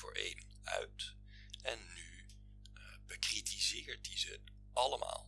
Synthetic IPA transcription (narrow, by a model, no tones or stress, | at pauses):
ʊːɹḛjn | œ̰ɥt | ɛnːy | bəkritʰizɪːɹt̚dizət | ɑləma̰ːl